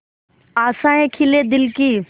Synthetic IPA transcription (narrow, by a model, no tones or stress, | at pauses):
aːsãːẽːkʰɪleːd̪ɪlkiː